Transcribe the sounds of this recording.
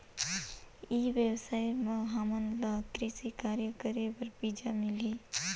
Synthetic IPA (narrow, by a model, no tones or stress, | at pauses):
iʋebsajmeɦamənləkɾisikaɾjəkəɾebəɾbid͡ʒamili